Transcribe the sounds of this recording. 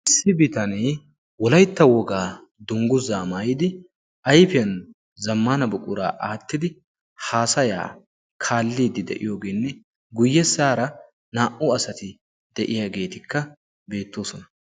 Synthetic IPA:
ʔɪsːɪbɪt̪ɐneː | wɔlɐjt̪ːɐwɔɡaː | d̪ʊŋɡʊzaːmaːjɪd̪ɪ | ʔɐjfɪɐn | zɐmːaːnɐbʊkʼʊɾa̰ːʔaːt̪ːɪd̪ɪ | haːsɐja̰ː | kʰaːlːiːd̪ɪd̪ɛ̰ʔɪ̰jo̞ːɡeːnːɛ | ɡʊjːɛsaːɾɐ | naːʔuɐsɐt̪ɪ | d̪̥ɛʔɪjaɡe̞ːt̪ɪkːɐ | be̞ːt̪ːo̞ːsɔnɐ

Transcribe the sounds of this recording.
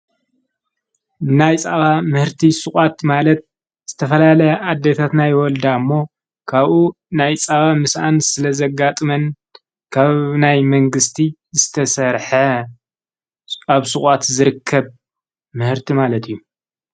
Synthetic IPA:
najt͡sʼaβamɨhɨɾt̪ʰisɨkʼat̪malɐt̪̚ | z̥ɨt̪ʰɐfɐlalɐjad̪ːet̪ʰat̪najwɔld̪aɨmːo̞ | kʰaβʔu | najt͡sʼaβamɨsʔansɨlɐzɐɡat̪ʼɨmɐn | kʰaβnajmɐŋɡɨst̪ʰizɨt̪ʰɐsɐɾħɐ | aβsɨχʼat̪zɨɾɨkʰːɐβ | mɨhɨɾt̪ʰimalɐt̪ʰijːu

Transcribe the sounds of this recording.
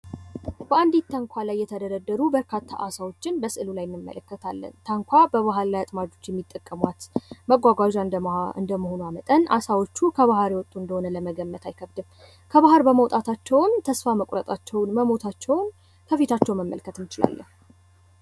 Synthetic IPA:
bəand̪it̪ʰːəŋkʷʰalajːɛt̪ʰəd̪əd̪əd̪ːəɾubəɾkʰat̪ʰːa̰ʔasawo̞t͡ʃːɪnbəsɨʔɨlulajɪnːɨmːə̰ləkːət̪ʰalːə̰nt̪ʰəŋkʷʰabəβaɦaɾlajat̪ʼmad͡ʒo̞t͡ʃːjɛmːit̪ʼːəkʼːəmwat̪məɡʷaɡʷaʒaɨ̰nd̪əməho̞nujamət̪ʼəna̰sawot͡ʃːukʰəβaɦɾiwɔt̪ʼːuɨnd̪əhonələməɡəmːət̪ʰajkʰəbd̪ɨm | kʰəβaɦaɾbəməwt̪ʼat̪ʰat͡ʃːɛwnt̪ʰəsfaməkʼɾət̪ʼat͡ʃːɛwnməmo̞t̪ʰat͡ʃːɛwn | kʰəfit̪ʰat͡ʃːɛwməmːə̰lkʰːət̪ɨnt͡ʃɪla̰lːə̰h

